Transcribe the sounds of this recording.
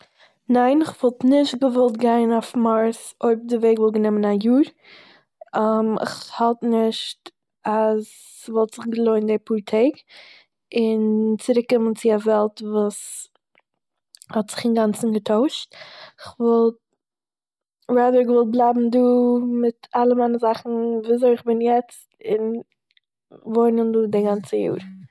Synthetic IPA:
naɪnɪχvɔlˠtnɪʃtɡəvɔlˠtɡaɪnafmaɾsoɪb̚dɪveɪɡvɔlˠɡənɛmənajuːɾ | amɪ̰χhalˠtnɪʃt | as | vɔlˠtz̥ɪχɡəlˠoɪndepuːɾtʰeɪk | ɪnt͡sɪɾɪkːɪmənt͡sɪavɛlˠtvuːs | hɔtz̥ɪχɪnɡant͡sn̩ɡətʰoʊʃt̚ɪχvɔlˠt | ɾaːdəɾvɔl̚ˠblˠaɪbm̩duːmɪtalˠəmaɪnəzaχn̩viːzoɪɪχbɪnjɛt͡stɪn | voɪnənduːdɪɡant͡səjṵːɾ

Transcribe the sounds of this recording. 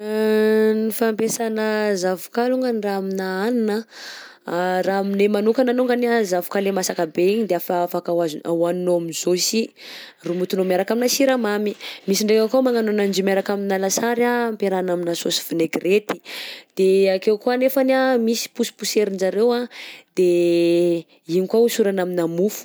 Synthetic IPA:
nifampesanəzavu̥kaluŋɡaniraaminaaninə | raaminemanukananuŋɡanazavukalemasakabeiɲid̪eafaafakawazwanoaminzosi | rumut̪unomaɾakaminasiɾamamimisiɳɖ͡ʐekakamaŋanonand͡ʒimaɾakaminalasaɾaːmpeɾanaminasosi̥v̥ineɡret̪i̥d̪̥eakewkuanefanamisi̥pusi̥puseɾind͡ʒaɾewad̪̥e | iɲikwausuɾanaminamufu̥

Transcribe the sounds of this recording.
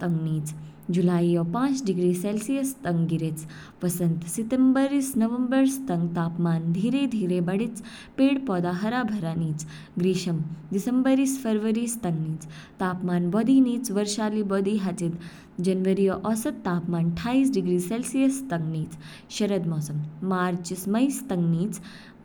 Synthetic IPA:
t̪ɐŋɡniːt͡sd͡ʒulaːijɔpãːt͡sɖiɡɾiːselsijəst̪ɐŋɡɡiɾet͡s | ʋɐsənt̪sit̪embəɾisnɐʋəmbəɾst̪ɐŋɡt̪aːpmaːnd̪ʱiːɾed̪ʱiːɾebɐɽit͡s | peːɽpɔːd̪aːɦɐɾaːbʱɐɾaːniːt͡s | ɡɾiːʃɐmd̪isəmbəɾisfɐɾʋəɾiːst̪ɐŋɡniːt͡st̪aːpmaːnbɔd̪iːniːt͡sʋəɾʃaːliːbɔːd̪iːɦat͡sit̪ | d͡ʑɐnʋəɾijəʔɔsɐt̪ːaːpmaːnʈʰaːiːsɖiɡɾiːselsijəst̪ɐŋɡniːt͡s | ɕɐɾəd̪mɔːsəŋmaɾt͡ʃismɐjst̪ɐŋɡniːt͡s

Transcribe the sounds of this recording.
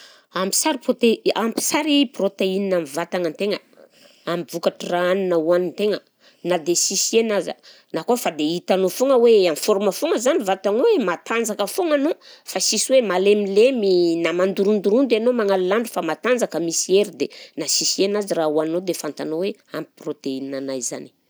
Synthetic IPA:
ampi̥saɾiprot̪eampi̥saɾiprot̪eininamivat̪aŋənt̪eŋə | amivukaʈ͡ʂiraaninauanint̪eŋə | nad̪esisienazə̰ | nakofad̪eit̪anofoŋəweamifoɾməfoŋəzanivat̪aŋwemat̪and͡zakəfoŋanofasiswemalemileminamand̪uɾund̪uɾund̪anomaŋalilaɳɖ͡ʐufamat̪and͡zakəmisieɾid̪enasisienazirauanod̪efant̪anowe | ampi̥prot̪eininanajza̰ni̥

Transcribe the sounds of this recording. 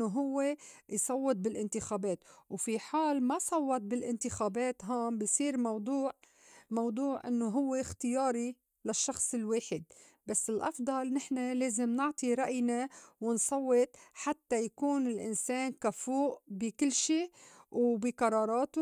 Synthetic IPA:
oɦʊwːejsˤɑwːɪt̪̚bɪlʔɪnt̪ɪxaːbeːt̪wfiħaːlmasˤɑwːɑt̪̚bɪlʔɪnt̪ɪxaːbeːt̪ɦaːmbɪsˤiːɾmɑwd̪ˤuːʕ | mɑwd̪ˤuːʕʔɪnːoɦʊwːext̪ɪjɑːɾi | laʃːɑxsˤɪlweːħɪd̪̚ | basːɪlʔɑfd̪ˤɑlnɪħnaleːzɪmnɪʕt̪ˤiɾˤɑʔjnawɪnsˤɑwːɪt̪ħat̪ːajakuːnɪlʔɪ̰nseːnkafuːʔbikɪlːʃiːwbiqɑɾˤɑːɾˤɑːt̪u

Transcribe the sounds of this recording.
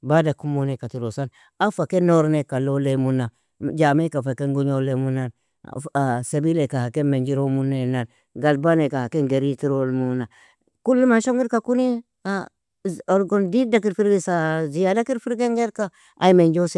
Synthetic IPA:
badakumonekatiɾosan | afakenoɾnekalolemuna | d͡ʒamekafakeŋɡuɲolemunan̰ | asebilekahakemend͡ʒiɾomunːenan | ɡalbanekahakenɡeɾitiɾolmuna | kulːumanʃoŋɡiɾkakuni | a | oɾɡondidakiɾfiɾɡisazijadakiɾfiɾɡeŋɡeɾka | ʔaimend͡ʒose

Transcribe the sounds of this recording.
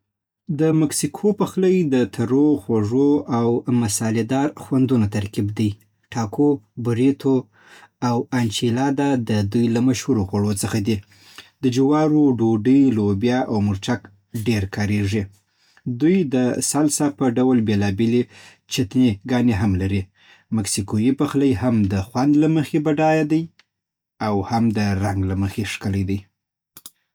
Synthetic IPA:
d̪əmaksikʰopəxləjd̪ət̪ʰaɾoxwaʐoawmasɑled̪ɑɾxwand̪unot̪aɾkibd̪əj | ʈɑkʰobʊɾet̪ʰo | awant͡ʃilɑd̪ad̪əd̪ujlamaʃhuɾoɣwaɽot͡səxad̪i | d̪əd͡ʒɪwɑɾoɖoɖəjlobjɑʔawmʊɾt͡ʃak | ɖeɾkɑɾeʐi | d̪ujd̪əsalsapəɖawlbelɑbele | t͡ʃat̪neɡɑneɦamlaɾi | maksikojipəxləjhamd̪əxwand̪laməxebaɖɑjad̪aj | awhamd̪əɾaŋɡlaməxeʂkələjd̪aj

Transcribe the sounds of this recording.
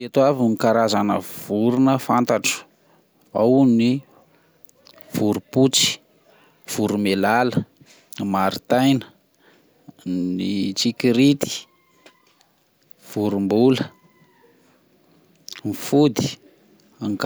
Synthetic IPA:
et̪oavikaɾazanə̰v̥uɾunəfant̪aʈ͡ʂə̥ | awni | v̥uɾuput͡si̥ | v̥uɾumelalə | maɾit̪ajnə̥ | nit͡sikiɾit̪i̥ | v̥uɾumbulə | mifud̪i̥ | ŋk

